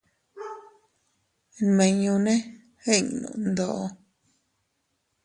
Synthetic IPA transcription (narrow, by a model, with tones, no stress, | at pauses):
mẽ˧ɲũ˧nẽ˦ | he˦˨ɲ˨nṵ̃˨nd̪o˧˨ʔo˧